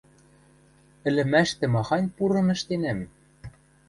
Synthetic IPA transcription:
ɘ̆lɘ̆mæʃt̪ɘ̆mɑxɑnʲpuɾɤ̆nɘ̆ʃt̪enæm

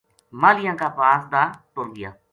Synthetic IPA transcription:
maːlɪjãːkaːpaːsd̪aːʈoɾɡɪja̰ː

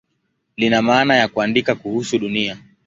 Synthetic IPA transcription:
linamaːnajakuandikakuhusuɗunia

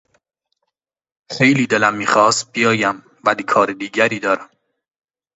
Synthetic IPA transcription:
xe̞jliːd̪elæmːiːxɒːst̪̚bijɒːjæm | vælikʰɒːɾed̪iːɟæɾiːd̪ɒːɾæm

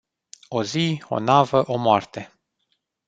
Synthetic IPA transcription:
o̞zio̞̰navəʔo̞moart̪e̞

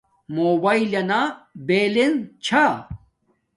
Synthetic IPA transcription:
moːbailɐnabelent͡ɕʰa

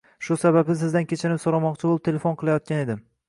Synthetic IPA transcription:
ʃʊsabaqɪzɪzd̪ankʲʰet͡ʃʰɪnɪpsoɾamɒqt͡ʃʰɪbolˠɪpt̪ʰelefonqʰɨlˠajɒt̪̚kʲaned̪ɪm

